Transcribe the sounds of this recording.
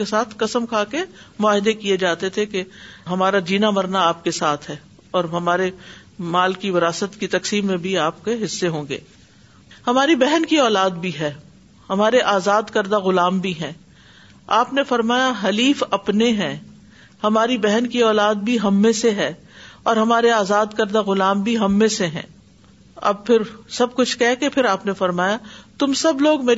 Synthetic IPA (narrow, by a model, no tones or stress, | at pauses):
esaːt̪ʰkɐsəmkʰaːkemʊaːɦɪd̪ekied͡ʒaːt̪et̪ʰekeɦɐmaːɾad͡ʒiːnamɐɾnaaːp̚kesaːt̪ʰɦɛː | ɔːɾɦɐmaːɾemaːlkiʋɪɾaːsət̪kit̪ɐksiːmːẽbʱiaːpkeɦɪsːeɦõːŋɡḛː | hɐmaːɾibɛɦənkiɔːlaːd̪bʱiɦɛː | hɐmaːɾeʔaːzaːd̪kɐɾd̪aɣʊlaːmbʱiɦɛ̃ː | aːpnefɐɾmaːjaɦɐliːfɐpneɦɛ̃ː | hɐmaːɾibɛɦnkiɔːlaːd̪̚bʱiɦɐmːẽseɦɛː | ɔːɾɦɐmaːɾeaːzaːd̪kɐɾd̪aɣʊlaːmbʱiɦɐmːẽseɦɛ̰̃ː | ɐ̰b̚pɪɾsɐb̚kʊt͡ʃʰkɛɦkepʰɪɾaːpnefɐɾmaːjat̪ʊmsɐbloːɡmeː